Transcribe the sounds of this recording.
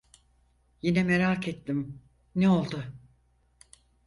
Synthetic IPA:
jinɛmeɾakʰet̪ʰːim | neo̞lˠd̪ʊ

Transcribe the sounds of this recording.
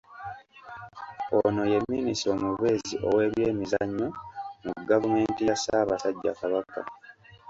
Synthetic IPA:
o̰no̞je̞mːinisɾo̞muβe̞ːziʔo̞we̞ːβje̞ːmizaɲːo̞muɡavume̞ːntijasaːβasaɟːa̰ːkaβaka̰

